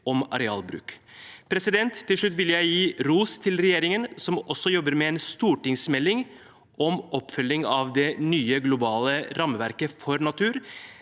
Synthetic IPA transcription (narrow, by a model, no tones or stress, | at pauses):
ɔmɑɾɛɑ̰ːlbɾʉ̰ːkpʰɾɛsɪd̪ɛnt̪ʰːɪlʂɭʉt̪ːʋɪljæɪjiːɾuːst̪ʰɪlɾɛjeːɾɪŋənsɔmɔsːɔjɔbəɾmɛɛːnst̪uːʈɪŋsmɛlːɪŋ | ʔɔmʔɔpːfʏlːɪŋɑʋd̪ɛnyːəɡlʊbɑːləɾɑməʋæɾkəfɔɾnɑt̪ʰʉːɾ